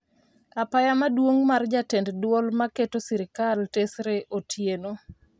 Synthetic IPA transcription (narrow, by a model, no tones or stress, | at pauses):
apajamadwoŋmard͡ʒatenddwɔlmaketosiɾikaltesɾeʔotʰjeno